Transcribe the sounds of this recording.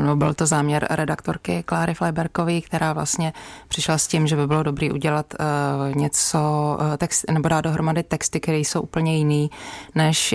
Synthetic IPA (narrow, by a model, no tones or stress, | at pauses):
nobɪlt̪o̞zaːmɲɛɾɾɛdakt̪oɾkɪklaːɾɪflajbɛɾkoviːkt̪ɛɾaːvla̰st̪ɲɛpr̥ɪʃlascɪmʒɛbɪbɪlo̞do̞bɾiːʔuɟɛlat̪ɲɛt͡sot̪ɛksnɛbodaːt̪do̞ɦɾomadɪt̪ɛkst̪ɪkt̪ɛɾiːjso̞wʔupl̩ɲɛjɪniːnɛʃ